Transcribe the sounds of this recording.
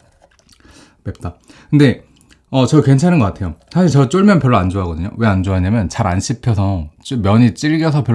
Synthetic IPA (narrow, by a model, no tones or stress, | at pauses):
pep̚t͈akɯnde̞ | ʌt͡ɕʌkwe̞nt͡ɕʰanɯnɡʌk͈atʰe̞josʰaɕʰiɾɭt͡ɕʌt͡ɕ͈oɭmjʌnpjʌɭːand͡ʑoɦaɡʌdɯɲo̰we̞and͡ʑoɦaɲamjʌnt͡ɕaɾanɕʰipʰjʌsʰʌt͡ɕ͈omjʌɲit͡ɕ͈iɭɡjʌsʰʌpjʌ